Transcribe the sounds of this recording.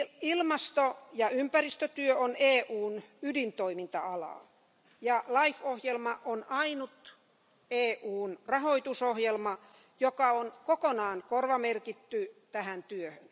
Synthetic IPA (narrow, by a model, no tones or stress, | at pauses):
ilmɑst̪ojɑympærist̪øt̪yøoneːʔuːnydint̪oimint̪ɑɑlɑ̰ːˑ | jɑlɑifohjelmɑʔonɑinut̪ | eːʔuːnrɑhoit̪usohjelmɑ | jokɑonkokonɑːnkorʋɑmerkit̪ːyt̪æhænt̪yøhøn